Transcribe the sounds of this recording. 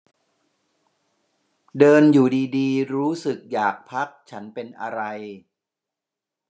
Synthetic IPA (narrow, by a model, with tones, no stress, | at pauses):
dɤː˧njuː˨˩diː˧diː˧ɾuː˦˥sɯ˨˩k̚jaː˨˩k̚pʰa˦˥k̚t͡ɕʰa˦˥npe˧nʔa˧ɾa˧j